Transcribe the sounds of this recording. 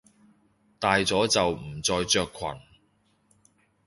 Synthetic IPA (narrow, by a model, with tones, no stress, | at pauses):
t̪aː˨jt͡sɔː˨˥t͡sɐ˨wm̩˨˩t͡sɔː˧jt͡ʃœː˧kʰːwɐ̰˨˩n